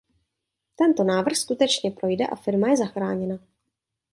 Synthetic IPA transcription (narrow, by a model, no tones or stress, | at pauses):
t̪ɛnt̪o̞naːvr̩xskut̪ɛt͡ʃɲɛpɾo̞jdɛʔa̰fɪɾmajɛzaxɾaːɲɛna